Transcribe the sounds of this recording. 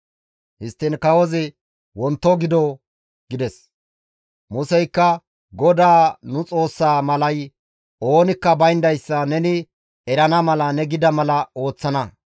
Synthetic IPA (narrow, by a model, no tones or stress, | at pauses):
hɪst̪ːɪnkɐwɔzɪ | wɔnt̪ːɔɡɪd̪ɔ | ɡɪd̪ɛs | mʊsɛjkːɐ | ɡɔd̪aːnʊt͡sʼo̞ːsːaːmɐlɐj | o̞ːnɪkːɐbɐjnd̪ɐjsːɐnɛnɪ | ɛɾɐnɐmɐlɐnɛɡɪd̪ɐmɐlɐo̞ːt͡sːɐnɐ